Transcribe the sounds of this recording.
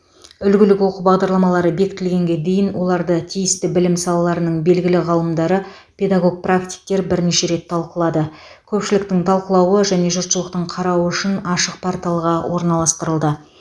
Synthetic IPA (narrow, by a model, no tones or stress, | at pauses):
ʏlɡʲɪlɪkʲwo̞qəbɑʁd̪ɑɾlˠɑmɑlˠɑɾəbe̞kʲɪ̥t̪ɪlɡʲe̞ŋɡʲe̞d̪e̞jɪnwolˠɑɾd̪ət̪ʰijɪst̪ɪbɪlɪmsɑlˠɑlˠɑɾənəɴbe̞lɡʲɪlɪʁɑlˠəmd̪ɑɾə | pʲʰe̞d̪aɡo̞ɡ̚prakt̪ʲi̥k̚t̪e̞ɾbɪɾne̞ʃe̞ɾe̞t̪ʰːɑlˠqəlˠɑd̪ə | kʲʰɵpʃɪlɪkt̪ɪŋt̪ʰɑlˠqəlˠɑwəʒæne̞ʒʊɾt̪ʃəlˠəq̚t̪əɴqʰɑɾɑwəʏʃɪnɑʃəq̚pʰaɾt̪alˠəʁɑwʔo̞ɾnɑlˠɑst̪əɾəlˠd̪ə